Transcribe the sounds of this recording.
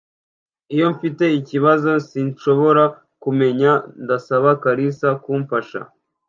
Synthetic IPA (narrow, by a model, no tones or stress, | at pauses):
ijo̞ɱfite̞iciβazo̞siːnʃo̞βo̞ɾa | kume̞ɲandasaβakaɾisakuːɱfaʃa̰